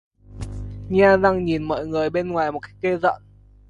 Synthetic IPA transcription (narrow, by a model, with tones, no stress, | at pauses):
ɲaː˧zaː˧ŋɲi˨˩nmɔ̰ː˧˨jŋɨ˨˩əjɓe˧nŋwaː˨˩jmo˨˩ka˨˦jk̚ke˧zə̰˧˨n